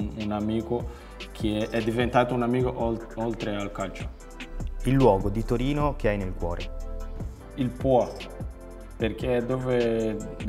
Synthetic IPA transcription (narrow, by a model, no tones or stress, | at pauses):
unamiːko | kʰeʔɛd̪ːivent̪aːt̪ounamiːkoʔolt̪ɾealkalt͡ʃḁ | ilːwɔːɡod̪it̪oɾiːnok̟eajnelkwɔːɾʔḛ | ilpwɔ | perk̟ʰed̪oːve